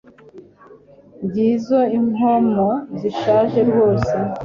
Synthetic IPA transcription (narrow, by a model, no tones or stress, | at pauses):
mɟiːzoimomoziʃaːʒe̞ɾɡo̞ːse